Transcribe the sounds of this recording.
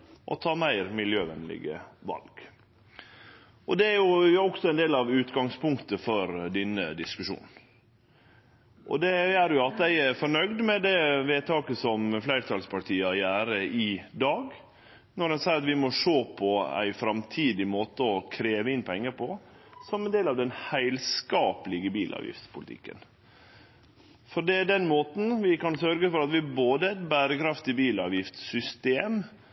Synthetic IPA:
ʔɔ̰t̪ʰɑːmæɪɾmɪljøːʋɛnlɪ̰ɡə̰ʋɑ̰lɡ̥ | ʔɔ̰d̪ɛæɾjʊɔksɔæɛɪnd̪eːlɑʋʉːt̪ɡɑŋspʊŋkt̪əfɔɾd̪ɪnːəd̪ɪskʉʂṵːn | ʔɔ̰d̪ɛjæɾjʊɑt̪̚d̪æɪæɾfɔɳœɡd̪mɛd̪ɛʋeːt̪ʰɑːkəsɔmflæɪɾt̪ʰɑlspʰɑʈʰiːəɑjæːɾəɪd̪ɑːɡ | nɔɾɛnsɑɪɑt̪ʋɪmɔʂoːpʰɔæ̰ɪfɾɑmt̪ʰiːd̪ɪmoːt̪əɔkʰɾeːʋəɪnːpʰɛŋːəpʰɔ | sɔmɛnd̪eːlɑʋd̪ɛnhæɪlskɑːpəlɪɡəbiːlʔɑ̰ːʋjɪ̰ft̪spʰʊlɪt̪ʰɪ̰kːə̰n | fɔɖɛæd̪ɛnmoːt̪n̩ʋɪkɑnsœɾɡəfɔɾɑt̪ʋɪæboːd̪əæɪt̪bæːɾəkʰɾɑft̪ɪbiːlɑ̰ːʋjɪft̪sʏst̪eːm

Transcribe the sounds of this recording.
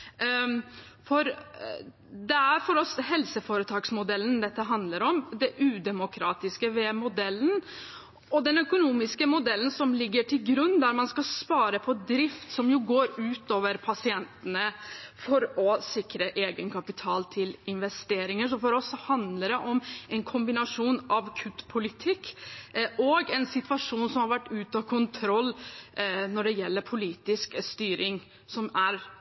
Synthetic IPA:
fɔɾ | d̪ɛæɾfɔɾɔshɛlsəfoːɾət̪ʰɑːɡsmʊd̪ɛlːənd̪ɛt̪ːəɦɑnd̪ləɾɔmd̪ɛʔʉːd̪ɛmʊkʰɾɑːt̪ɪskəʋeːmʊd̪ɛlːən | ɔd̪ɛnœkʊnuːmɪskəmʊd̪ɛlːənsɔmlɪɡːəʈʰɪlɡɾʉnːd̪æɾmɑnskɑspɑːɾəpʰɔd̪ɾɪft̪sɔmjʊɡoːɾʉːt̪oːʋəɾpʰɑsɪɛnt̪ənəfɔɾɔsɪkɾəʔeːɡənkʰɑpɪt̪ʰɑːlt̪ʰɪlɪnʋɛst̪eːɾɪŋəʂɔfɔːɾɔsːɔhɑnd̪ləɾɛʔɔmɛnkʰʊmbɪnɑʂuːnʔɑʋkʰʉt̪pʰʊlɪt̪ʰɪkː | ʔɔɡɛnsɪt̪ʋɑʂuːnsɔmhɑɾʋæʈːʉːt̪ɑkʰʊnt̪ʰɾɔlː | nɔɖɛjɛlːəɾpʰʊliːt̪ɪskst̪yːɾɪŋ | sɔmæɾ

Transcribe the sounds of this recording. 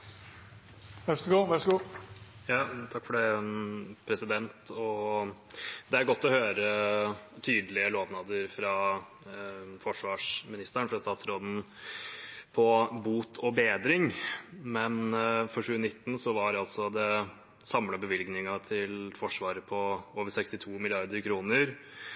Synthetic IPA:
ʋæʂɡuːʋæʂɡuːjɑːt̪ʰɑkːfɔɖɛɛnpʰɾɛsɪd̪ɛnt̪ɔ | d̪ɛæɾɡɔt̪ːɔhøːɾə | t̪ʰyːd̪əlɪəloːʋnɑːd̪əɾfɾɑ | fɔʂʋɑːʂmɪnɪst̪æɳfɾɑst̪ɑːt̪sɾoːd̪n̩ | pʰɔbuːt̪ʰɔbeːd̪ɾɪŋmɛnfɔɾʂʉːnɪt̪ːn̩sɔʋɑɾɑlt̪sɔd̪ɛ | sɑmlɑbəʋɪlɡnɪŋɑt̪ʰɪlfɔʂʋɑːɾəpʰɔoːʋəɾsɛkst̪ɪt̪ʰuːmɪlɪɑɾd̪əɾkʰɾuːnəɾ

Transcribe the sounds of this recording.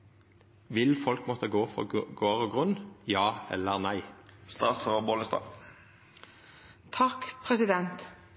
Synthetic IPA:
ʋɪlfɔlkmɔt̪əɡoːfɔ̰ɡoːʁɔɡʁʉnjɑːɛ̰lːəʁnæɪst̪ɑ̰sʰøəboːlnəst̪ɑ̰ː | t̪ʰɑkpʰʁɛsɪd̪ɛnt̪

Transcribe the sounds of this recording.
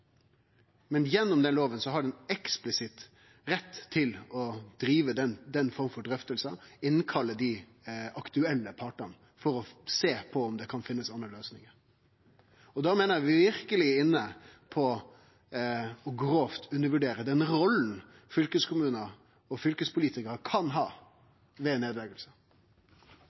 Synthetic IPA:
mɛnjɛnːʊmd̪ɛnloːʋənsɔɦɑɖɛnɛksplɪsɪt̪ | ɾɛt̪ʰːɪlɔd̪̥ɾiːʋəd̪ɛd̪ɛnfɔɾməfɔɖɾœft̪əlsəɪnːkʰɑlːəd̪ɪɑkt̪ʉɛlːəpʰɑʈən | fɔɾɔseːpʰɔɔmd̪ɛkʰɑnfɪnːəsɑnːəløːsnɪŋəɾ | ɔd̪ɑːmeːnəɾjæʋɪɾkəlɪɪnːəpʰɔ | ɔɡɾoːft̪ʰʉnːəʋʉɖeːɾəd̪ɛnɾɔlːn̩ | fʏlkəskʰʊmʉːnə | ɔfʏlkəspʊliːt̪ɪkəɾkʰɑnɦɑː | ʋeːneːd̪lɛɡəlsə̥

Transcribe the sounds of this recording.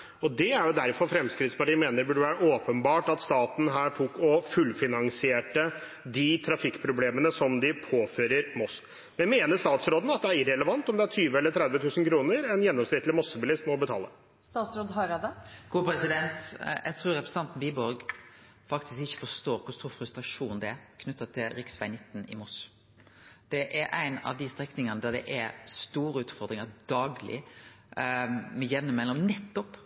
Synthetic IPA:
ɔd̪ɛæɾjʊd̪æɾfɔɾfɾɛmskɾɪt̪spɑʈiːmeːnəbʉɖəʋæːɾəʔoːpənbɑːʈɑt̪st̪ɑːt̪n̩ɦæːʈʰʊkːɔfʉlfɪnɑŋsɪeːʈə | d̪ɪt̪ʰɾɑfɪkːpʰɾʊbleːmənəsɔmd̪ɪpʰoːføːɾəɾmɔs | mɛnmeːnəʂt̪ɑːt̪sɾoːd̪n̩ɑt̪̚d̪ɛæɾɪɾɛləʋɑnt̪ɔmd̪ɛæʈʰyːʋəɛlːəʈ̪ʰɾɛd̪ʋət̪ʰʉːsən̩kʰɾuːnəɾɛnjɛnːɔmsnɪt̪lɪmɔsːəbɪlɪst̪mɛɔbət̪ʰɑ̰ːlə̰ | st̪ɑːt̪sɾoːd̪ɦɑɾɑd̪əɡ̥uːpʰɾɛsɪd̪ɛnt̪jæ̰ɪt̪ʰɾuːɾɛpʰɾɛsə̥nɑnt̪n̩biːbɔɾɡ | fɑkt̪ɪskɪçːə̥fɔst̪oːɾkʰʊst̪uːɾfɾʉst̪ɾɑʂuːnd̪ɛækʰnʉt̪ːɑt̪ʰɪlɾɪksʋæɪnɪt̪ːn̩ɪ̰mɔs | d̪̥ɛʔɛɾʔæ̰ɪnɑ̰ʋd̪ɪst̪ɾɛknɪŋənəd̪æd̪ɛ̰ʔɛst̪uːɾəʉːt̪fɔɾd̪ɾɪŋɑɾd̪̥ɑːɡlɪ̰ | mɛjɛnːəmɛlːɔmnɛt̪ːɔp

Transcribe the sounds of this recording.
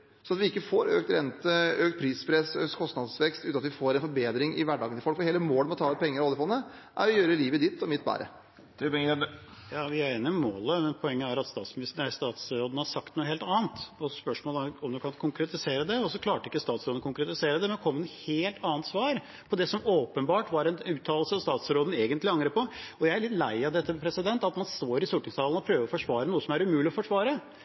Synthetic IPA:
sɔnɑt̪ʋɪɪkːəfoːɾø̰ːkt̪ɾɛnt̪əøːk̚t̪̚pʰɾiːspʰɾɛsøːkt̪kʰɔst̪nɑd̪sʋɛkst̪ʉːt̪nɑt̪ʋɪfoːɾɛnfɔɾbeːd̪ɾɪŋɪ̰ʋæɖɑ̰ːɡənɪfɔlkfɔɾheːləmoːlmɛɔt̪ʰɑːʉt̪̚pʰɛŋːəɾɑd̪əfɔlnə | ʔæ̰ɾɔjøːɾəliːʋəd̪ɪt̪ːɔmɪt̪̚ːbæ̰ːɾə̰ | t̪ɪ | jɑːʋɪæɾenɪmoːləmɛnpʰɔɛŋːəæɾɑt̪st̪ɑːt̪smɪnɪst̪əɾæst̪ɑːt̪sɾoːd̪n̩hɑʂɑk̚t̪nuːəheːlt̪ɑːnt̪ɔspœʂmoːlɔmd̪ʉkɑnkʰʊŋkɾɛt̪ɪseːɾəd̪ɛɔsɔkʰlɑːʈəɪkːəst̪ɑːt̪sɾoːd̪n̩kʊŋkɾɛt̪ɪseːɾəd̪ɛmɛnkʰɔmːənheːlt̪ʰɑːənt̪sʋɑːɾ | pʰɔd̪ɛsɔmoːpənbɑːʈʋɑɾɛnʉːt̪ʰɑːlsəɔst̪ɑːt̪sɾoːd̪n̩eːɡənt̪lɪɑŋɾəpʰɔɔjæɪæɾɭɪt̪læɪɑʋd̪ɛt̪ːəpʰɾɛsɪd̪ɛnt̪ɑt̪mɑnst̪oːɾɪsʊʈɪŋst̪ʰɑːln̩ɔpʰɾøːʋəɔfɔʂʋɑːɾənuːəsɔmæɾʉmʉːlɪɔfɔʂʋɑːɾə

